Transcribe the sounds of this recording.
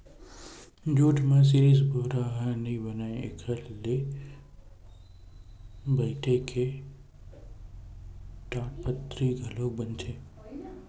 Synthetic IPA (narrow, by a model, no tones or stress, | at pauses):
d͡ʒoːʈʰmãs̬iɾisbʱoɦɾaɦãnəĩbənaeḛkʰəlːe | bəjʈʰekʰe | ʈaːʈpət̪ɾiɡʱəlok̚bənt͡ʃʰe